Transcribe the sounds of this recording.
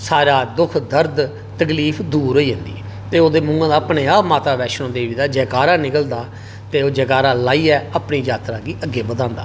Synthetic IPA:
saːɾaːd̪ʊkʰd̪əɾd̪ | t̪əkliːpʰd̪uːɾoiːɦə̃nd̪ḭː | t̪eːoːd̪eːmʊ̃ːŋɡãːd̪aːpneːaːpmaːt̪aːʋɛːʃnõːd̪eːʋiːd̪aːd͡ʒɛːkaːɾaːnɪkəld̪aː | t̪eːoːd͡ʒɛːkaːɾaːlaːiːɛːəːpɳiːd͡ʒaːt̪ɾaːɡiːʔəɡːeːbəd̪ãːnd̪a̰ː

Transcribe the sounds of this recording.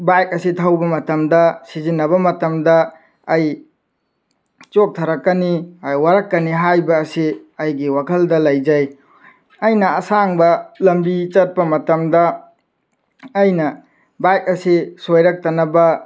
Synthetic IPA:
bajk̚ɐsitʰawbɐmɐtɐmdɐsizinːɐβɐmɐtɐmdɐː | j | t͡ʃok̚tʰɐɾɐkːɐniajwaɾɐkːɐniɦajbɐːsiɐjɡiwakʰɐldɐlɐjd͡ʒaj | ɐjnɐːsaŋbɐlɐmbit͡ʃɐt̚pɐmɐtɐmdɐ | jnɐ | bajk̚ɐsisojɾɐk̚tɐnɐbɐ

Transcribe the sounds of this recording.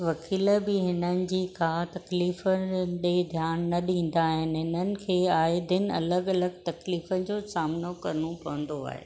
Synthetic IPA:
ʋɐkʰiːləbɪɦɪnənɪ̆d͡ʑiːkʰaːt̪ɐkliːfəɗed̪ʱjaːnːɐɗĩːn̆d̪aːɦɪnɪɦɪnənɪ̆kʰeːaːɪd̪ɪnɪ̆ɐ̰ləɡɐləɡ̚t̪ɐkliːfənɪ̆d͡ʑoːsaːmnokɐɾənopɐʋə̃nd̪oa̰ːɦḛː

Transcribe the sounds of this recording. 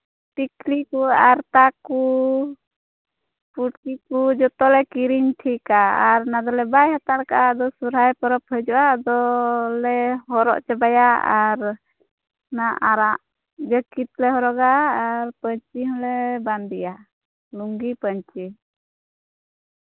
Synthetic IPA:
ʈikliʔkuaɾt̪aku | puʈkikːud͡ʒɔt̪ɔlɛkiɾiɲʈʰikaaɾnad̪ɔlɛbajhat̪aɽkaʔad̪ɔsuɾajpɔɾɔphəd͡ʒɔʔad̪ɔlɛhɔɾɔ̰ʔt͡ʃɛbajaa̰ɾ | naʔaɾaʔ | d͡ʒəkit̪̚lɛɦɔɾɔɡaːɾpəɲt͡ʃiɦɔlɛband̪ija | luŋɡipəɲt͡ʃi

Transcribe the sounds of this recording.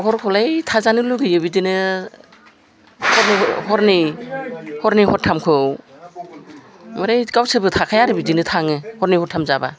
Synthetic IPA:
ɦɔɾkʰɔlajtʰazanɯluɡɯjɯbidinɯ | hɔɾnihɔɾni | hɔɾnihɔtʰːamkʰɯw | mɯɾajkawsɯbɯtʰakʰajaɾɯbidinɯtʰaŋɯhɔɾnihɔtʰamzaba̰

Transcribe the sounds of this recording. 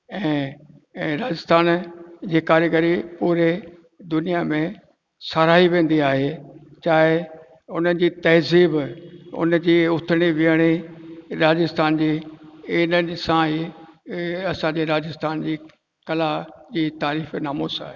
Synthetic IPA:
ɛ̃ː | ɾaːd͡ʑɪst̪ʰaːnd͡ʑiːkaːɾɡəɾipuːɾe | d̪ʊnijamẽ | saɾaːɦiʋẽːn̆d̪iaːɦet͡ɕaːɦɪ | ʊnənɪ̆d͡ʑiːt̪ɐɦziːbʊ̰n̆d͡ʑiːʊt̪ʰɪɽ̃iʋiəɽ̃iɾaːd͡ʑɪst̪ʰaːnd͡ʑiːɪnənsãɦiː | ɐsãd͡ʑeɾaːd͡ʑɪst̪ʰaːnd͡ʑiː | kɐlad͡ʑiːt̪aːɾiːfnaːmuːsa̰ːɦeː

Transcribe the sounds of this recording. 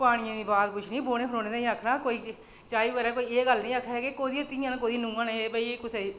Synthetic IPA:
paːɽ̃ɪ̃jãːd̪iːbaːt̪pʊt͡ʃʰniːboːnẽːpʰɾoːnẽːaːĩːəkʰːnaːkoːiː | t͡ʃaːiːʋəɾaːkoːiːeːɡəlnĩːəkʰɛːkekoːd̪iːt̪ĩjãːnːk̬oːd̪iːnũːãːneeːbəikʊseː

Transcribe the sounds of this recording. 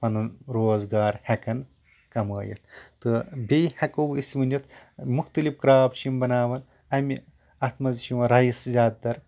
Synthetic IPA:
pɐnɨnɾoːzɡaːɾhɐkɐn | kɐmɐ̰ːjɐ̰t̪ʰt̪ːɨbʲejhɐkowisʋɨnʲɐt̪ʰmuxt̪ɐlifkɾaːbʃimbɐnaːʋɐn | ɐmi | ɐt̪mɐzʃiʋɐɾɐjiszʲaːd̪̚d̪ɐɾ

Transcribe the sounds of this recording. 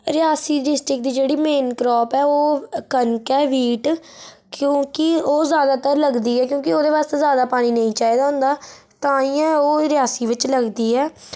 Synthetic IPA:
ɾɪaːsiːɖɪsʈɾɪk̚d̪iːd͡ʒeːɽiːmeːnkɾɔːpɛːoːkənkɛːʋiːʈ | kjõːkɪoːzjaːd̪aːt̪əɾləɡd̪iːɛːkjõːkɪoːd̪eːʋaːst̪eːzjaːd̪aːpaːñiːnəĩːt͡ʃaːiːd̪aːɦʊ̃nd̪aː | t̪ãːiːjãːoːɾɪjaːsiːʋɪt͡ʃləɡd̪iːɛː

